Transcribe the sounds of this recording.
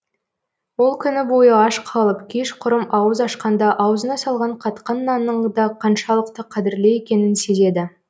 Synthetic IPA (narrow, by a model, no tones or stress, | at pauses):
wo̞lˠkʲʰʏnɪbo̞jəɑʃqʰɑlˠəpkʲʰe̞ʃqʰʊɾəmɑwəzɑʃqɑnd̪ɑʔɑwəzənɑsɑlˠʁɑɴqʰɑt̪qɑnːɑnːəɴd̪ɑqʰɑnʃɑlˠəqt̪əqʰɑd̪ɪɾle̞jekʲe̞nɪnse̞ze̞d̪ɪ